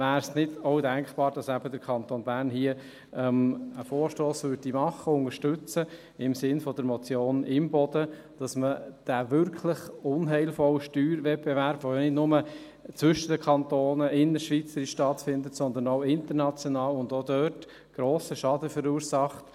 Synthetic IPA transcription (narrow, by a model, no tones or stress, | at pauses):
væːɾsnɪdɔʊdæŋkχb̥ɑːɾd̥ɑsæb̥ədəɾkʰɑnt̪oːnbæɾnhiə | ɛməfoːɾʃtoːsʋʏdimɑχəʊŋəʃtʏt͡sə | ɪmsɪnfɔd̥əɾmɔt͡sjoːnɪmbɔd̥əd̥ɑsməd̥ævʏɾkʰləχʊnɦɛɪlfɔwəʃtyːɾvɛt̚b̥ɛvæɾb̥ojonɪdnʊmə | t͡sʋʏʃəd̥əkʰɑnt̪oːnəɪnːəʃʋit͡səɾiʃʃtɑtfɪndətsɔnd̪ənoʊɪnt̪əɾnɑt͡sjɔnɑːlʊnd̪od̪œːt | ɡ̥ɾoːsəʃɑdəfəɾuːəɾsɑχt